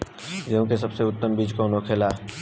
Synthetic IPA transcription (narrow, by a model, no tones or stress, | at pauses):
d͡ʒõkes̬ɐbseʊt̪ːəmbiːd͡ʒkoʊnokʰeːlaː